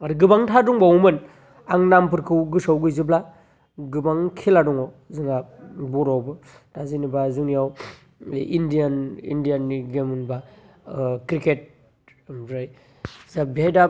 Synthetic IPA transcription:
aɾɯɡɯbaŋtʰaduŋbawmɯn | aŋnampɯɾkʰɯwɡɯsawɡɯjzɯbla | ɡɯbaŋkʰiladɔŋɔ | zɯŋabuɾawbɯ | d̥azinibazuŋijaw | indijanḭndijanːiɡemɯnba | kɾiket̚ | mɾɯj | zabiajda

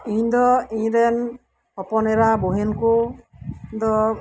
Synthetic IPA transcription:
iɲd̪ɔiɲɾɛn | pɔpɔnɛɾabuɦenku | d̪ɔ

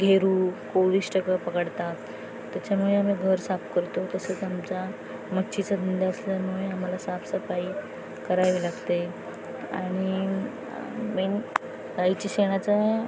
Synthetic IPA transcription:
ɡʱeɾuːkoɽiːsʈəkapəkəɽt̪at̪ː | jat͡ɕamuɭeam̤iːɡʱəɾsapkəɾt̪ot̪əsət͡samt͡sa | məɕʰit͡sad̪ʱənd̪aəsljamuɭeam̤alasapsəfai | kəɾaʋilaɡt̪e | a̰ɽ̃i | miːn | dait͡ɕiɕeɽ̃at͡sa

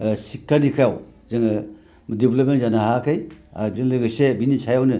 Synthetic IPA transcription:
sik̚tʰːadikʰjawzaŋ | mdiblɔp̚mentzanahakʰɯja̰zeŋlɯɡɯsebinisʰajawnɯ

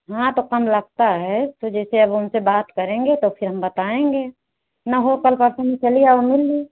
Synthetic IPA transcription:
ɦãt̪okəmləɡ̚t̪aɦɛt̪od͡ʒɛːseəbʊnsebaːt̪kəɾẽŋɡet̪opʰɪɾɦəmbət̪aẽŋɡe | naɦokəlpəɾsənĩt͡ʃəlijaɔɾmɪlːi

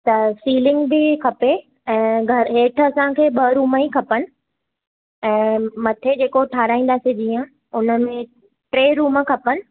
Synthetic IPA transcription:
t̪ɐsiːlɪ̃ŋɡbɪkʰɐpe | ɛ̃ːɡʱɐɾɦeːʈʰəɐsãkʰeːɓɐɾuːmaikʰɐpənɪ̆ | ɛ̃ːmɐt̪ʰed͡ʑeːkoʈʰaːɾaːĩːnd̪aːsed͡ʑiːə̃ | ʊnə̆mẽ | ʈɾeːɾuːməkʰɐpənɪ̆

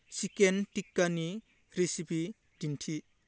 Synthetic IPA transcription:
sikentikːɐni | ɾisipi | dintʰi

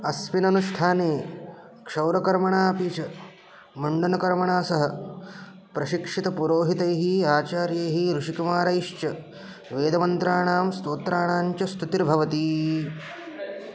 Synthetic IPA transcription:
ɐspinɐnuʂʈʰaːneː | kʂɐwɾɐkɐɾmɐɳaːpiːt͡ʃɐ | mɐɳɖɐnɐkɐɾmɐɳaːsɐɦɐ | pɾɐʃikʂit̪ɐpuɾoːɦit̪ɐjɐɦiaːt͡ʃaːɾjɐjɦiɾuʂikumaːɾɐiʂt͡ʃɐ | ʋeːd̪ɐmɐnt̪ɾaːɳaːmst̪oːt̪ɾaːɳaːɲt͡ʃɐst̪ut̪iɾbʱɐʋɐt̪i

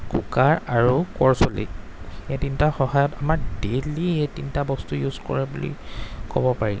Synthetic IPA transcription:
kṵkaɹaɹukɔɹsolḭ | etintaxɔɦajɔtamaɹdelietintabɔstujuzkɔ̰ɹɛbulḭko̰bɔpaɹilɛ

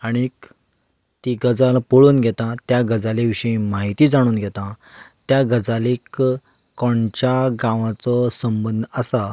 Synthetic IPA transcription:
aɽ̃ik | t̪iɡəd͡zalpoɭuːnɡʱɛt̪ãt̪jaɡəd͡zaleʋiʂəĩmaɦit̪iːd͡zaɽ̃uːnɡʱɛt̪ãt̪jaɡəd͡zalik | kːɔɳt͡ɕjaɡãʋãt͡sɔsəmbənd̪ʱəsa

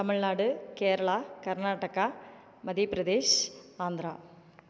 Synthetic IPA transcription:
t̪ɐmɪɭnaːɽɯkeːɾɐɭaːkɐɾnaːʈːɐka | mɐðipɪɾɐðeːʃaːnd̪ɪɾaː

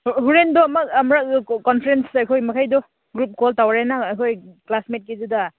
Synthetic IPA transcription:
ɦuɾendɔːmaːmɾakɔnpʰeɾensajkʰojmakʰajdɔ | ɡɾup̚kɔltawɾenaajkʰojklasmet̚kizuda

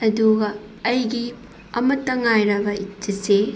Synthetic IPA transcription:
ɐduɡɐː | jɡi | ɐmɐtːɐŋajɾɐbɐit͡ʃːɐse

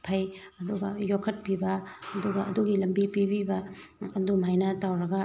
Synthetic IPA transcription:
pʰɐjɐduɡɐjokʰɐt̚pibɐːduɡɐʔɐduɡilɐmbipibibɐ | ɐdumajnɐtawɾɐɡɐ

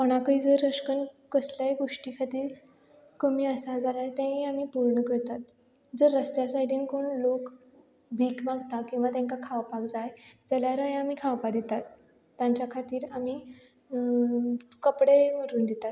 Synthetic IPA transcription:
pɔɽ̃akəiːd͡zəɾəʂkən | kəsljaeɡoʂʈiːkʰat̪iːɾ | kəmiːəsad͡zalajt̪jãiamiːpuɾɳəkəɾt̪at̪ | d͡zəɾːəsʈjasajɖiːnkoɳlok | bʱiːkmaɡt̪akĩw̃ʋat̪jãŋkakʰaʋpakd͡zajd͡zaljaɾəjeamiːkʰaʋpad̪it̪at̪ː | jãɲt͡ɕjakʰat̪iːɾamiː | kəpɽeʋəɾuːnd̪it̪at̪

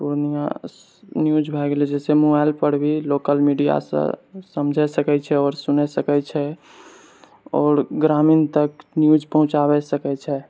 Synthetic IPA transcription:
puɾnijã̰ | njud͡ʒbʱɛɡled͡ʒɛːsemobaɪlpəɽ̤bʱiloːkəlmiɖija̰sə̰səmd͡ʒʱɛsəkɛt͡ʃʰɛɔːɾsʊnesəkɛt͡ʃʰɛ | ɔːɾɡɾaːmint̪əknjud͡ʒpəɦʊ̃t͡ʃaʋɛsəkɛt͡ʃʰɛ

